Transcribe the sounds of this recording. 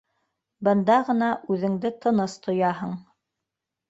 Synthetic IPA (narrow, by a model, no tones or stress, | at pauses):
bɤ̆nd̪ɑʁɤ̆nɑʔʉðɘ̆ŋd̪ɘt̪ʰɤ̆nɤst̪ʰŏjɑɦɤɴ